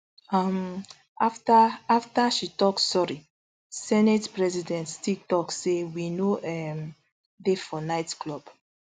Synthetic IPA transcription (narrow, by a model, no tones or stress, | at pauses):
am | aftaaftaʃitɔksɔɹi | sɛnetpɹɛzidɛ̃nttik̚tɔksewinoʔɛm | defɔnaɪtklɔb